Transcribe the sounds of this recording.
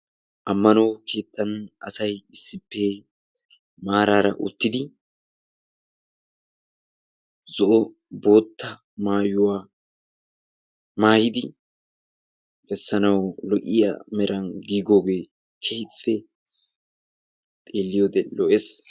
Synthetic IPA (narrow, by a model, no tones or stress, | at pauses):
ʔɐmːɐnɔwkʰe̞ːt̪ːɐnʔɐsɐjɪsːɪpːe | maːɾaːɾɐ̰ʔʊ̰t̪ːɪd̪ɪ | zɔʔɔ | bo̞ːt̪ːɐ | maːjʊwaː | maːjɪd̪ɪ | bɛsːɐnɐwlɔʔʼɪja̰mɛɾʔɐnɡiːɡo̞ːɡe̞ː | kʰeːfːɛ | t̪ʼeːlːɪjoːd̪ɛlɔʔes